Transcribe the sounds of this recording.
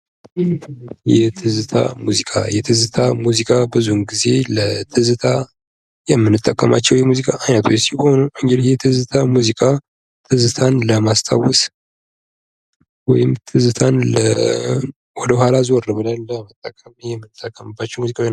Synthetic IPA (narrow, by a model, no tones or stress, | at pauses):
jɛt̪ʰɨzɨt̪ʰa̰muzikʼa̰jɛt̪ʰɨzɨt̪ʰamuzikʼabɨzuɡize̞lət̪ʰɨzɨt̪ʰa | jɛmːɨnɨt̪ʼːəkʼːəma̰t͡ʃːɛwjɛmuzikʼaʔajnət̪ʰwusihonoŋɡɛljɛt̪ʰɨzɨt̪ʰamuzikʼa | t̪ʰɨzɨt̪ʰanləmast̪ʰawɔs | wɔ̰jɪmt̪ʰɨzɨt̪ʰanlə̰ | wɔd̪əhʷalazwɔrəβəlajləmət̪ʼːəkʼːəmijɛmːɨnːɨt̪ʼːəkʼːəmɨbːat͡ʃːɛwmuzikʼawn